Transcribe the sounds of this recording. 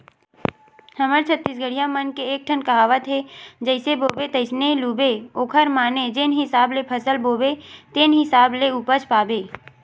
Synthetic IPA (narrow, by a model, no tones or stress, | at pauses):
hɐməɾt͡ʃʰət̪ːis̬ɡəɽijãmənkeeːk̚ʈʰənkəɦaːʋət̪ɦed͡ʒəɪseboːbet̪əɪsneluːbeoːkʰəɾmaːned͡ʒeːnɦɪsaːblepʰəsəlboːbet̪eːnɦɪsaːbleuːpət͡ʃpaːbeː